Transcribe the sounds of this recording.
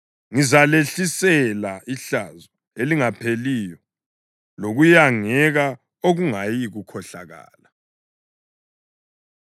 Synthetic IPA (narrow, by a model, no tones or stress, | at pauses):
ŋizaleɬisɛlaiɬazɔ | eliŋapʰelijɔ | loɣujaŋɛɣa | oɣuŋajiɣukʰɔɬaɣa̰ːla